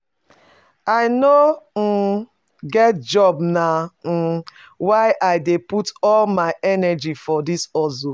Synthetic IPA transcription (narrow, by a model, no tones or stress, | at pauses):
aɪnom̩ | ɡɛt̚d͡ʒɔbna | waɪʔaɪdeputɔlmaɪʔɛnɛd͡ʒifɔdisɔzo